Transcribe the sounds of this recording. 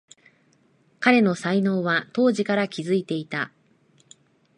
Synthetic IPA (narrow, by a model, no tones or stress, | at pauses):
kaɾe̞no̞saino̞ːβat̪o̞ːʑikaɾakʲizɨit̪e̞it̪a